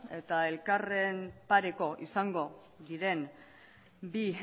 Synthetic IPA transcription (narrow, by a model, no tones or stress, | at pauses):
e̞t̪ae̞lkare̞mpaɾe̞ko̞ʔḭsaŋɡo̞ | ðiɾe̞n | bi